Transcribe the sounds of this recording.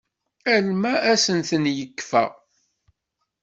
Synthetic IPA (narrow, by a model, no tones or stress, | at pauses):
ælmæʔæsənθənjəkːfæ̰